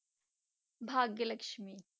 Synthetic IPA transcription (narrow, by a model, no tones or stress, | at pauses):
bʱaːɡjɐlɐkʃmiː